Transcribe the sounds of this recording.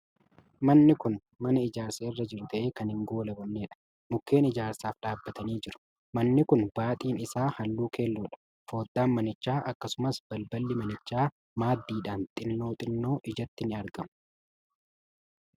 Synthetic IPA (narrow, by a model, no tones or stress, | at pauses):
mɐnːɪkʊn | mɐnɐɪd͡ʒaːɾseːɪrːɐd͡ʒɪɾʊt̪ʰɐʔe̞ːkɐnhɪŋɡo̞ːlɐbɐnːe̞ːᶑɐ̥ | mʊkːe̞ːnɪd͡ʒaːɾsaːfɗaːbːɐt̪ɐniːd͡ʒɪɾʊ̥ | mɐnːɪkʊnbaːt̪ʼiːnɪsaːhɐlːuːkʰe̞ːlːuːᶑɐ̥ | fo̞ːd̪ːaːnmɐnɪt͡ʃːaːʔɐkːɐsʊmɐsb̥ɐlbɐlːɪmɐnɪt͡ʃːaː | maːd̪ːiːᶑaːnt̪ʼɪnːo̞ːt̪ʼɪnːo̞ːʔɪd͡ʒɐt̪ːɪnɪɐɾɡɐmʊ̥